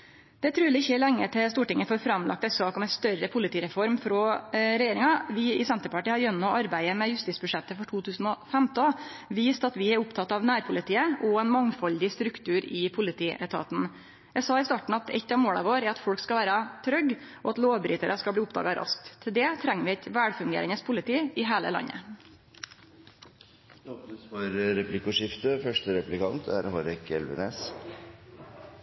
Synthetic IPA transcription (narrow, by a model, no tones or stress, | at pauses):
d̪̥ɛt̪ʰɾʉːlɪɪçːəlɛŋːəʈ̪ʰɪst̪uːʈɪŋːəfɔɾfɾɑmlʔɑ̰k̚t̪ɛsɑːkɔmɛɪst̪œɾəpʰʊlɪt̪ʰiːɾɛfɔɾmfɾɔɾɛjeːɾɪŋɑʋɪɪsɛnt̪əpɑʈiːhɑɾjœnːɔʔɑɾbæɪəmɛjʉst̪iːt̪sbʉʂɛt̪ːəfɔʈʰuːt̪ʰʉːsn̩ɔfɛmt̪ɔʋiːst̪ɑt̪ʋɪæɾʊpt̪ʰɑt̪ːɑʋnæːɾpʰʊlɪt̪ʰiːəʔɔɛnmɑŋfɑld̪ɪst̪ɾʉkt̪ʰʉːɾɪpʰʊlɪt̪ʰiːʔɛ̰t̪ʰɑ̰ːt̪n̩ | jæɪsɑːɪst̪ɑːʈɳ̩ɑt̪ɛ̰t̪ːɑmoːlɑ̰ʋoːɾɛɾɑt̪fɔɽkskɑʋæːɾɑt̪ʰɾœɡ | ʔɔːɑt̪loːʋbɾiːt̪əɾəskɑbliːʊpd̪ɑ̰ːɡɑɾʔɑ̰sk̚t̪ʰːɪld̪ɛt̪ʰɾɛŋːəʋɪɛt̪ʋæːɽfʉŋɡḛːɾɪŋəspʰʊlɪt̪ʰiːɪɦeːlə̰lɑ̰nːə̰ | ɔpnəsfɔɾɾɛplɪkʊʂɪft̪əfœʂʈəɾɛplɪkɑnt̪ʰæ̰ɾhoːɾɛkʰɛ̰lʋə̰neːs